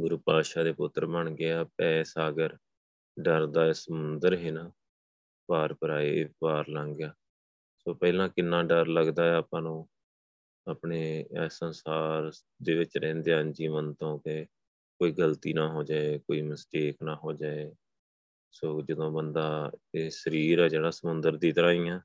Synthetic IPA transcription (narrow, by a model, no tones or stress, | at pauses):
ɡʊɾuːpaːʃaːd̪eːpʊt̪ːɾbəɳɡɪaːpɛːsaːɡəɾ | ɖəɾd̪aːsəmʊnd̪əɾɦɪna | paːɾpəɾaːeːpaːɾlãːŋɡjaː | soːpɛːlãːkɪnːãːɖəɾləɡd̪aːɛaːpãːnũː | aːpɳeːsənsaːɾ | d̪eːʋɪt͡ʃɾɛ̃ːnd̪eãːnd͡ʒiːmənt̪õːkeː | koːiːɡəlt̪iːnaːɦoːd͡ʒaːeːkoːiːməsʈeːknaːɦoːd͡ʒaːeː | soːd͡ʒəd̪õːbənd̪aːeːsəɾiːɾɛːd͡ʒeːɽaːsəmʊnd̪əɾd̪iːt̪əɾaːĩːjãː